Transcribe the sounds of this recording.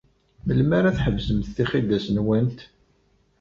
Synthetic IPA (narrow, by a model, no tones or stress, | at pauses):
məlmæɾæθħəvzəmθːiχid̪æsənwænt̪